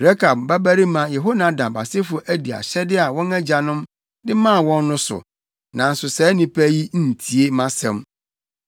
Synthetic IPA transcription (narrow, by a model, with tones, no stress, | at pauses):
ɾɛ˦kʰa˨bba˦bæ˦ɾi˦mã˨jɛ˨ɦo˦nã˦dã˨mba˨sɪ˦fʊ˦ʔæ˦di˨a̰˨ɕɛ˦dɪ˦a˨wɔ̃˦nɛ˦d͡ʑa˨nʊ̃˦m | dɪ˦mã˦˨wɔ̃˦nːʊ̃˦sʊ̰˨ | nã˨n̩˨sʊ˨sɛ˨˦nĩ˨pʰæ˦ji˦n̩˦˨tʰi˨e˦mã˦sɛ̃˦˨m